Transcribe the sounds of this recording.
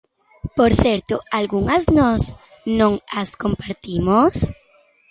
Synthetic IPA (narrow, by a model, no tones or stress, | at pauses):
poɾθeɾt̪oalɣuŋaznos | nõŋaskompaɾt̪imos